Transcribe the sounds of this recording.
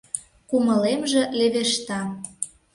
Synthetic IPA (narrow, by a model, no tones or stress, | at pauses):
kumɤ̆lemʒĕleβeʃt̪ɑ